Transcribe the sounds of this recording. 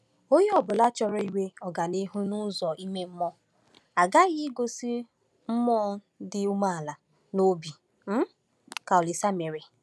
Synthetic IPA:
o˦je˦ɔ˨bʊ˨la˦t͡ʃɔ˦ɾɔ˦i˦we˦ɔ˨ɡa˨ni˦ɦu˦nu˦zɔ˨i˦me˦m̩˦mɔ˦ | a˨ɡa˦ɣɪ˦ɡo˦si˦ | m̩˦mɔ˦dɪ˦u˦ma˦a˨la˨ | no˦bi˨ | m̩˦ | ka˨ɔ˨lɪ˨sa˦me˨ɾe˨

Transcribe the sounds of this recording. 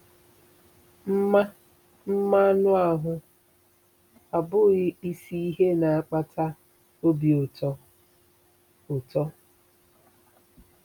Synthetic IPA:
m̩˦ma˦ | m̩˦ma˦nʊ˦a˨ɦʊ˦ | a˨bʊ˦ɣɪ˦i˦si˦i˦ɦe˦na˨a˨k͡pa˦tʰa˦ | o˦bi˨ʊ˨tɔ˦ | ʊ˨tɔ˦

